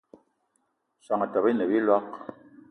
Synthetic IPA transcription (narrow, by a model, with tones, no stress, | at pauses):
sa˨ŋa˨ta˨bi˦nə˨bi˦lwa˦k̚